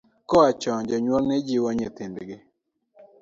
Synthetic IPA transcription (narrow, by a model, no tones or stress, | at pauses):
kɔat͡ʃɔɲd͡ʒɔɲwɔŋnɛd͡ʒiwɔɲet̪indɡɪ